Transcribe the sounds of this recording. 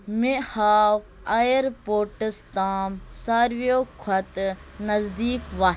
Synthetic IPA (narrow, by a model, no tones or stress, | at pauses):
mehaːw | ajəɾpoːʈəst̪aːmsaːɾʋioːkʰɐt̪nɐzd̪iːkʋaː